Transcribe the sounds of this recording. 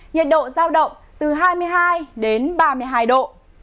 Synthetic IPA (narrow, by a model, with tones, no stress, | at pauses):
ɲɛ˨˩t̚ɗo̰˧˨zaː˧wɗə̰˧˨wŋ͡m | t̪ɨ˨˩ɦaː˧jmɨ˧əjɦaː˧jɗe˨˦nɓaː˧mɨ˧əjɦaː˧jɗo̰˧˨